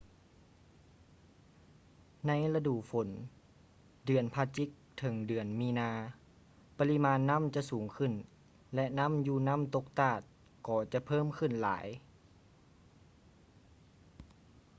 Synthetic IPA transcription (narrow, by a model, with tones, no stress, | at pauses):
na˧˥˨jla˧duː˨˩ʔfo˩˦n | dɯ˨˩ənpʰa˧t͡ɕi˧˥k̚t̪ʰɤ˩˦ŋdɯ˨˩ənmiː˧˥naː˧ | pa˧li˧˥maː˧˥nːa˧˥˨mt͡ɕa˧ʔsuː˩˦ŋkʰɯ˧˩˨n | lɛ˧ʔna˧˥˨mjuː˧˩na˧˥˨mt̪o˧˦k̚t̪aː˧˩t̪̚ | kɔː˧˩t͡ɕa˧˦pʰɤː˧˥˨mkʰɯ˧˩˨nla̰ː˩˦j